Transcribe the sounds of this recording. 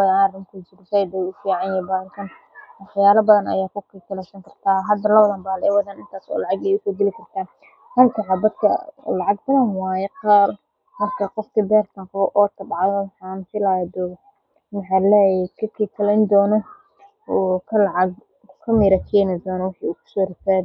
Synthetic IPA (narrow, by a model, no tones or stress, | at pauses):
jarɪŋkʰʊd͡ʒɪɾɪsɛjd̪ɛjʊfiːʕɑnjɛbaːhɐlkʰɐn | wɑħjaːlɐbɐðɐnɐ̰jaːkʊkʰiːt̪ʰɐlɛjsɐŋkʰɐrt̪ʰaːɦɐd̪ɐlɐwɐðɐːnbaːlɐɛwɐðaːnɪnt̪ʰaːsɔ̰ːlɑʕɑɡɛjʊkʰɐɡ̪ɛlɪkʰɐrt̪ʰaː | hɐlkʰʊħabɐd̪kʰɐ̰lɑʕɑɡ̚bɐðɐnwaːjɛqɑːr | mɐrkʰɐqɔfkʰibɛːrt̪ʰɐŋqʊβɔʔɔːt̪ʰɐbʕðɔwħaːnfɪlaːjɐd̪ɔːɣɐ | mɐħɑːlɛːjɛkʰɐkʰiːkʰɐlɛnd̪ɔːnɔ | ɔkʰɐlʕɑɡ | kʰɐmɪːɾɐkʰɛjnɪd̪ɔːnɔwɑħiukʰʊ̥sɔɾɪsaːd